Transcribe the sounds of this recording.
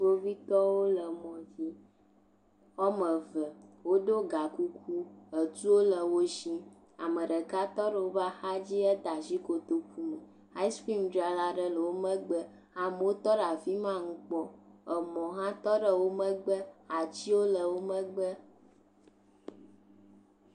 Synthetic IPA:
wo˦vi˦t̪ɔ˦wo˦lə˨mɔ̃˨vi˦ | ɔ˦mə̃˨və˨wo˦ɖo˦ɡa˨ku˦ku˦ə˨t̪u˦wo˦lə˨wo˦zi˦ | a˨mə˨ɖə˨ka˦t̪ɔ˦ɖə˨wo˦va˦xa˦d͡ʑi˦ə˦d̪a˨zi˦ko˨t̪o˨ku˦mə˨ | ha˦i˦ski˦mdɾa˨la˦ɖə˦lə˨wo˦mə̃˦ɡ͡bə˦ | a˨mə˨wo˦t̪ɔ˦ɖa˨vi˦mã˦ŋũ˦k͡pɔ˦ə˨mɔ̃˨ɦã˦t̪ɔ˦ɖə˨wo˦mə̃˦ɡ͡bə˦a˨t͡ɕi˦wo˦lə˨wo˦mə̃˦ɡ͡bə˦

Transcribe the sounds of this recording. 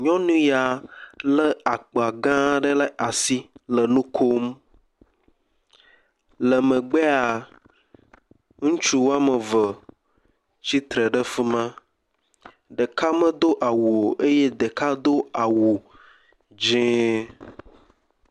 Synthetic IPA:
ɲɔ̃˦nũ˦ja˨lə˦a˨k͡po˨a˨ɡã˦ɖə˦lə˦ʔa˨si˦lə˨nũ˦kʰo˦m | lə˨mə̃˨ɡ͡be˦a˨ | ŋũ˦t͡ʃu˦wo˦a˦mə˨və˨ | t͡ɕi˦t̪ɾə˨ɖə˦fi˦mã˦ | ɖə˨ka˦mə̃˦d̪o˦ʔa˨wu˨o˨ʔe˦je˦d̪e˨ka˦d̪o˦a˨wu˨ | d͡ʒẽ˦

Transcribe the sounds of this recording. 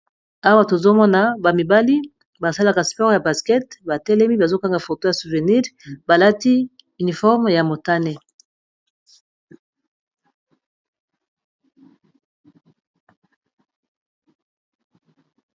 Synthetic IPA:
a˦wa˦to˨zo˦mɔ˦na˨ba˨mi˨ba˦li˦ | ba˨sa˦la˦ka˨spɔ˦ʁja˨ba˨skɛ˦tba˨tɛ˦lɛ˦mi˦ba˨zo˦ka˦ŋɡa˨fo˨to˦ja˨su˨ve˨ni˦ʁba˨la˦ti˦ | y˨ni˨fɔ˦ʁmja˨mo˨ta˦ne˨

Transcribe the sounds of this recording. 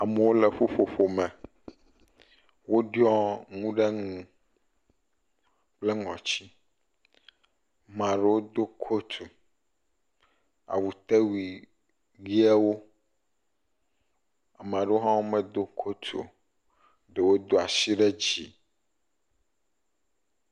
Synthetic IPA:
a˨mɛ˨wo˦le˨ɸo˦ɸo˨ɸo˨mɛ̃˨ | wo˦ɖɔ˦ŋũ˦ɖɛ˦ŋũ˨ | k͡ple˦ŋɔ̃˨t͡ɕi˦ | mã˨ɖe˦wo˦d̪o˦kʰo˦t̪ʰu˨ | a̰˨wu˨t̪e˦wi˨ | wi˦ɛ˦wo˦ | a˨mã˨ɖe˦wo˦ɦã˦wo˦mɛ̃˦d̪o˦kʰo˦t̪ʰo̰˨ | ɖe˨wo˦d̪o˦a˨si˦ɖɛ˦d͡ʑi˨

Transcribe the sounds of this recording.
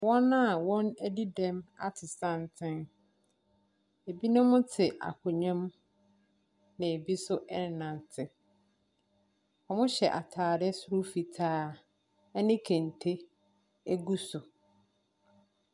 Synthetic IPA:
wɔ̃˦nã˦˨wɔ̃˦næ˦di˦dɛ̃˦ma̰˦tʰɪ˨sã˦n˨tʰɪ̃˦n | e˨bi˦nʊ̃˦mʊ̃˦tʰɪ˨ʔa̰˨kʰʊ˨ɲɛ̃˦m | nɪ̃˨e˨bi˦sʊ˦ʔɛ˦n˨nã˨n˨tʰɪ˦ | ɔ˨mʊ̃˦ɕɛ˨ʔa˨tʰaː˨ɾɪ˦sʊ˦ɾʊ˦fi˨tʰaː˦ | ɛ˦nɪ̃˦kʰæ̃˨n˨tʰe˦ | æ˦ɡu˦sʊ˨

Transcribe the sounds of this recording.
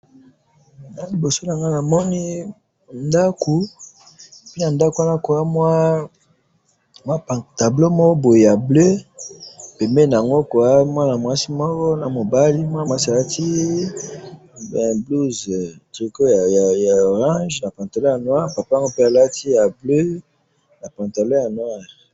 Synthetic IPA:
na˨li˨bo˨so˦na˨ŋɡa˦na˨mɔ˦ni˦ | nda˦ko˨ | pi˦na˨nda˦ku˨˦a˦na˦ko˨a˦mwa˦ | mwa˦pa˨ta˨blo˦mɔ˦kɔ˦bo˨je˨ja˨blø˦ | pe˨me˦na˨ŋɡo˦ko˨a˦mwa˦na˨mwa˦si˦mɔ˦kɔ˦na˨mo˨ba˦li˦mwa˦n˨mwa˦si˦a˨la˦ti˦ | bɛ˨blu˦ztʁi˨ko˦ja˨a˨ja˨o˨ʁã˦ʒna˨pã˨nta˨lo˦ja˨nwa˦ʁpa˨pa˦ŋɡo˦pe˦a˨la˦ti˦ja˨blø˦ | na˨pã˨nta˨lo˦ja˨nwa˦˨ʁ

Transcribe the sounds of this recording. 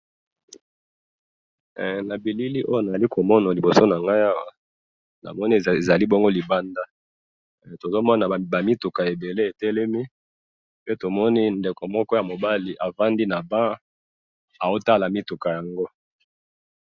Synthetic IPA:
na˨bi˨li˦li˦ʔo˦jo˦˨na˨a˨li˦ko˨mɔ˦na˨li˨bo˨so˦na˨ŋɡa˦ja˦wa̰˨ | na̰˨mɔ˦ni˦˨e˨za˨li˦bɔ˦ŋɡo˦li˨ba˦nda˦ | to˨zo˦mɔ˦na˨ba˨mi˦tu˨ka˨je˨be˨le˦e˨tɛ˦lɛ˦mi˦ | pe˦to˨mɔ˦ni˦nde˨ko˨mɔ˦kɔ˦ja˨mo˨ba˦li˨ʔa˨va˦ndi˦na˨bã˦ | a˨o˦ta˦la˨mi˦tu˨ka˨ja˨ŋɡo˦

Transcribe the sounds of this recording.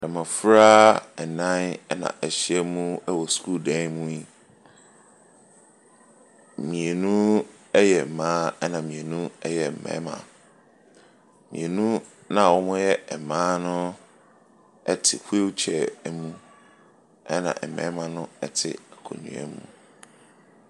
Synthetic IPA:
ɛ˨mã˨fɾaː˦ɛ˨nã˦n˦nã̰˨ʔæ˨ɕi˦ɛ˦mũ˦ɛ˦wɔ˨sku˦˨dɛ̃˦mũ˦i˦ | mĩ˨e˨nũ˦ | ɛ˦jɛ˨m̩˨mãː˦ɛ˦nã˨mĩ˨e˨nũ˦ɛ˦jɛ˨m̩˨mɛ̰̃˨˦mã̰˨ | mĩ˨e˨nũ˦ | nã˨wɔ˦mʊ̃˦jɛ˦ɛ˨mãː˦nʊ̃˦ | ɛ˦tʰɪ˨hu˦e˦wt͡ɕʰɛ˨˦mũ˦ | ɛ˦nã̰˨ʔmɛ̰̃˦mã˨nʊ̃˦ɛ˦tʰɪ̰˨kʰõ̰˨nṵ̃˨ɛ̰˦mṵ̃˦

